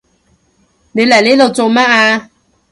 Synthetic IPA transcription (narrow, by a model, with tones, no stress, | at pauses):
ne˨˧jlɐ˨˩jliː˦˥lo˨wt͡so˨˧wmaː˥aː˧